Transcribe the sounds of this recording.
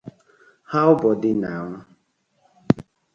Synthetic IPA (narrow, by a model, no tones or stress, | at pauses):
haʊbɔdɪnaɾ̃ɔ